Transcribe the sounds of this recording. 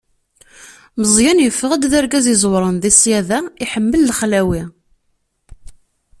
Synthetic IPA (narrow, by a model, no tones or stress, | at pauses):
məzˤjænjəfːəʁæd̪ðæɾɡæzizˤwɾˤənðisjæðæiħəmːəlːəχlæwi